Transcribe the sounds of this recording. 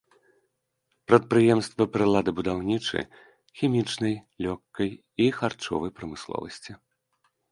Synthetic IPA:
pɾɐt̪̚pɾɨjɛmst̪vɐpɾɨlˠad̪ɨbud̪awnʲit͡ʂɨ̰ | xʲimʲit͡ʂnɐjlʲɔkːɐj | ixart͡ʂɔ̰vɐjpɾɐmɨslˠɔ̰vɐ̰sʲt͡sʲi

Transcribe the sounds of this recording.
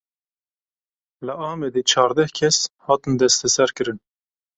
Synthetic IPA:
lɨɑːmɛd̪eːt͡ʃʰɑːɾd̪ɛhkʲʰɛshɑːt̪ɨnd̪ɛst̪ʰɛsɛɾkɨɾɨn

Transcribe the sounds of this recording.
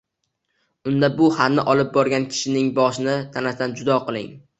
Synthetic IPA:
ʊnd̪abʊhaɾnɪʔɒlˠɪp̚bɒɾɡʲankʲʰɪ̥ʃɪnɪŋbɒʃɪnɪt̪ʰanasd̪and͡ʒʊd̪ɒqɨlˠɪ̰ŋ

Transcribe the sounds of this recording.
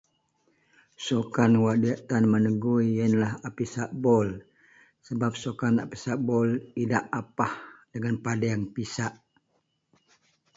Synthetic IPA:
sokanwadiaʔt̪anmənəɡuiənlaɦapisaʔbɔl | səbap̚sokana̰pisaʔbɔlidaʔapahdəŋanpadaaŋpisaʔ

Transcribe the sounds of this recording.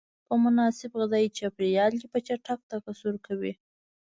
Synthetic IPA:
pəmʊnɑsɪbɣɪzɑit͡ʃapɾijɑljipət͡ʃaʈak̚t̪akasuɾkʰawi

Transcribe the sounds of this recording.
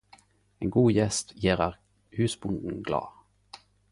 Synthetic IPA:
eːnɡuːjɛst̪jeːʁɑʁk | hʉːsbʊnd̪n̩ɡlɑ̰ːʁ

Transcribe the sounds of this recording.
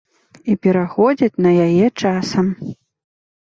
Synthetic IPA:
ipʲɛɾaxɔd͡zʲɐt͡sʲnɐjajɛt͡ʂasɐm

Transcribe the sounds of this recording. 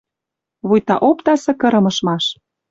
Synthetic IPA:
βujt̪ɑʔopt̪ɑsɤ̆kɤ̆ɾɤ̆mɤ̆ʃmɑʃ

